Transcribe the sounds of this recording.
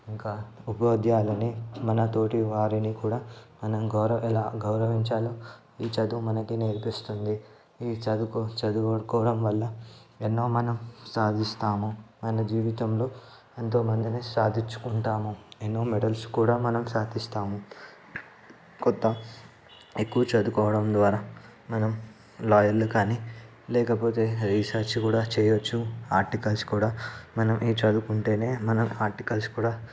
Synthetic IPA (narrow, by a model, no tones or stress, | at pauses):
iŋkaːupɐoːd̪jaːlɐnimɐnɐt̪o̞ːʈiʋaːɾinikuːɽaːmɐnɐmɡɐwɾɐɛlaːɡɐwɾɐʋiɲt͡ʃaːloː | iːt͡ʃɐd̪umɐnɐkineːɾpist̪und̪i | iːt͡ʃɐd̪ukut͡ʃɐd̪ukɐɽkɔːʋɽɐmʋɐlːɐenːo̞ːmɐnɐmsaːd̪ʱist̪aːmumɐnɐd͡ʒiːʋit̪ɐmlo̞ː | ent̪o̞ːmɐnd̪inisaːd̪ʱit͡ʃːu̥kuɳʈaːmuenːo̞ːmeɽɐlskuːɽaːmɐnɐmsaːd̪ʱist̪aːmu | kɔt̪ːɐ | ekːuʋɐt͡ʃɐd̪ukɔːʋɐɽɐmd̪ʋaːɾaː | mɐnɐm | laːjɐlːukaːniː | lɛːkɐpo̞ːt̪e̞ːɾiːsaːɾt͡ʃikuːɽaːt͡ʃɛːjot͡ʃːuaːɾʈikɐlskuːɽaːmɐnɐmʔiːt͡ʃɐd̪ukuɳʈe̞ːne̞ːmɐnɐmaːɾʈikɐlskuːɽaː